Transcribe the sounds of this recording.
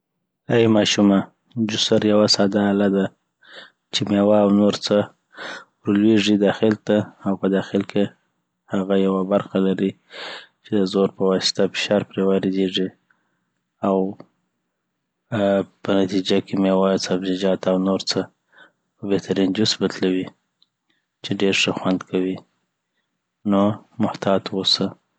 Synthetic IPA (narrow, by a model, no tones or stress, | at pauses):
ajmɑʃuma | d͡ʒʊsaɾjawasɑd̪aːlad̪a | t͡ʃemawaːwnoɾt͡sə | wɾlweʐid̪ɑxɪlt̪aːwpəd̪ɑxɪlkʰe | haɣajawabaɾxalaɾi | t͡ʃed̪əzoɾpəwɑsɪ̥t̪afɪ̥ʃɑɾpɾewaɾed̪eʐi | aw | pənat̪id͡ʒakemewɑdsabzɪd͡ʒɑt̪awnoɾt͡sə | əbeht̪aɾind͡ʒʊsbət̪lawi | t͡ʃeɖeɾʂəxwand̪kʰawi | nomʊht̪ɑt̪wosə